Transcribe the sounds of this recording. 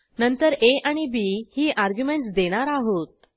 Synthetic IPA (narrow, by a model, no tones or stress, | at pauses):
nənt̪əɾeaɽ̃ibihiːʔaɾɡjumeɳʈsd̪eɽ̃aɾaɦot̪̚